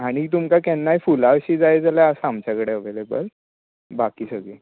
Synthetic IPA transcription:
aɽ̃it̪̬umkakɛnːajfulaʋɕiːd͡zajed͡zaljaəsaamt͡ɕjakəɽeəʋelebəl | bakiːsəɡe

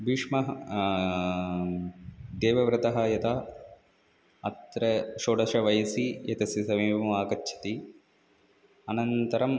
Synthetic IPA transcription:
biːʂmɐɦɐ | d̪eːʋɐʋɾɨt̪ɐɦɐjɐt̪ɐ | ɐt̪ɾɐʃoːɖɐʃɐʋɐjɐsijɐt̪ɐsjɐsɐmiːpɐmɐʋaːkɐtːt͡ʃʰɐ̥t̪i | ɐnɐnt̪ɐɾɐm

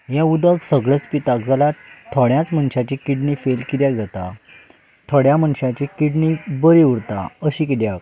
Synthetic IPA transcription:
ɦjãud̪əɡsəɡɭət͡spit̪ak̚d͡zalat̪ʰɔɽjãt͡sm̤əɳɕat͡ɕikiɖnifelkit̪jakd͡zat̪a | t̪ʰɔɽjaməɳɕãt͡ɕikiɖnibəɾiuɾt̪a̰əɕikid̪jak

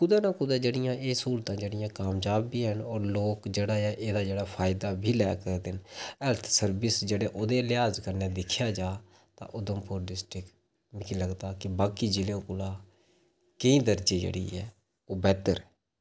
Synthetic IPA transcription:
kʊd̪aːnãːkʊd̪aːd͡ʒeːɽɪjãːʔeːsuːlt̪ãːd͡ʒeːɽɪjãːkaːmd͡ʒaːbiːɦənɔːɾloːkd͡ʒeːɽaːaːʔeːd̪aːd͡ʒeːɽaːpʰaːɪd̪aːbʱiːlɛːkəɾd̪ɪnɛlt̪ʰsəɾbɪsd͡ʒeːɽeːʔoːd̪eːlɪjaːzkəɾneːd̪ɪkʰjaːd͡ʒaː | t̪ã̰ːʔʊd̪əmpʊɾɖɪsʈɾɪk | mɪkiləɡd̪aːkɪbaːkiːd͡ʒɪlõːkʊlaː | keĩːd̪əɾd͡ʒeːd͡ʒḛːɽḭːɦɛː | oːbɛːt̪əɾ

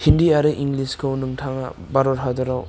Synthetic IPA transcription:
hindiaɾɯʔiŋliskʰɯwnɯŋtʰaŋa̰baɾɔɾɦadɯɾaw

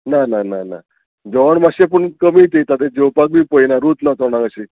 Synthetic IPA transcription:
nananana̰ | d͡ʒɔʋɳmaʃepəɳkəmit̪it̪at̪̬ed͡ʒowpak̚bipoinaɾut̪nat̪ɔnãŋɡəʃi

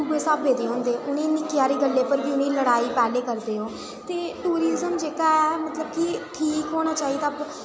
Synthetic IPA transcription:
uːbẽːsaːbʋeːd̪eːɦõːnd̪eːʔʊnẽːnɪkːjaːɾeːɡəlːeːpəɾbʱiːʊnẽːləɽaːiːpɛːleːkəɾd̪eːɦoː | t̪eːʈuːɾɪzəmd͡ʒeːkaːɛːmət̪ləbkɪʈʰiːkɦoːɽ̃aːt͡ʃaːɦiːt̪ːaːp

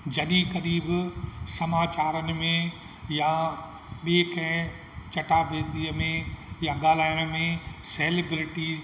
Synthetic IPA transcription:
d͡ʑɐɗiɣɐɾiːbsɐmaːt͡ɕaːɾənɪ̆mẽ | jã | ɓikɐ̃ɦɪ̃ | t͡ɕɐʈabʱeːd̪iːəmẽjãɠaːl̤aːjənə̆mẽseːleːbɾɪʈiːz

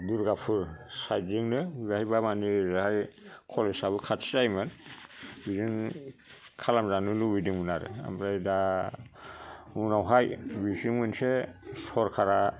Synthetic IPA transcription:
duɾɡapʰɯɾsajtzɯŋnɯɡahibamanizahajkʰɔlesabɯkʰatʰi̥zajmɯn | biziŋ | kʰalamzanulubidiŋunaɾɯ̰a̰mɾajda | unawɦajbiziŋmɯnsesʰɔɾkʰaɾa

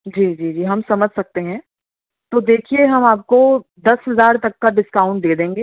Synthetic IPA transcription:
d͡ʒiːd͡ʒiːd͡ʒiːɦɐmsɐməd͡ʒʱsɐk̚t̪eɦɛ̃ | t̪oːd̪eːkʰieɦɐmaːp̚kod̪ɐsɦɐzaːɾt̪ɐkːaɖɪskaːʊ̃ɳʈ̚d̪eːd̪ẽːŋɡeː

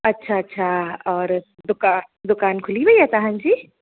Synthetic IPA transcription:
ɐtːʃʰaɐtːʃʰaɔːɾ | d̪ʊkaːnd̪ʊkaːnkʰʊlibɐiɛt̪aɦə̃nd͡ʒiː

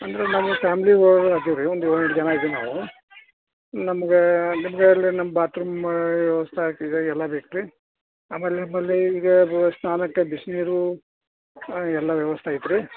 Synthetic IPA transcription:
ɐnd̪ɐɾenɐmɐpʰaːmliʋɐɖaːkiʋɾiond̪uɐiʈd͡ʒɐnaid̪enaːʋu | nɐmɐɡenimɐɡeɐlːinɐmːɐbaːt̪ɾɐmʋjɛʋɐst̪ʰɐaːk̪id̪eɛlːɐbeːkɾi | aːmeːlnɐmeːlːiiːɡɐsnaːnɐkːebisniɾu | ɛlːɐʋjɛʋɐst̪ʰaːjit̪ːɾi

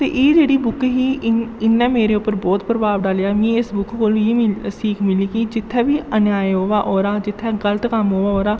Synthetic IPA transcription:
t̪ḛːʔeːd͡ʒeːɽiːbʊkɦiːɪnːɛ̃ːmeːɾeːʊpːəɾbɔːt̪pɾəbaːbɖaːljaːmĩːɪsbʊkkoːlʋisiːkʰmɪliːkid͡ʒɪt̪ʰːɛːbiːənjaːjɦoːʋaːʔɔːɾaːd͡ʒɪt̪ʰːɛːɡələt̪kəmɦoːʋaːoːɾaː

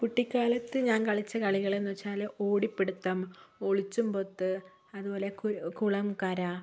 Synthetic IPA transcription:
kuʈːikʲːaːlɐt̪ːɨɲaːnkɐɭit͡ɕːɐkɐɭiɣɐɭenːuʋɐt͡ɕːaːlo̞ːɽipːeɽut̪ːɐmo̞ɭit͡ɕːumpo̞t̪ːɨ | ɐðubo̞ːle̞kkuɭɐmkɐɾa

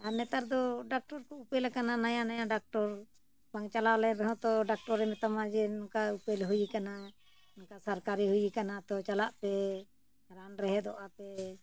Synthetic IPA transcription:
anɛt̪aɾd̪ɔɖak̚ʈɔɾkɔupɛlakananajanajãɖak̚ʈɔɾ | baŋt͡ʃalawlɛɾɛɦɔ̃t̪ɔɖak̚ʈɔɾɛmɛt̪amad͡ʒɛnɔkaupɛlɦujikana | nɔkasaɾkaɾiɦujikanat̪ɔt͡ʃalaʔpɛ | ɾanɾɛɦɛd̪ɔʔapɛ

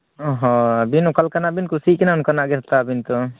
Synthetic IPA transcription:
ɔɦɔ̃abinɔkalkanaʔbinkusiʔkɛnankanaʔɡɛɾat̪abint̪ɔ

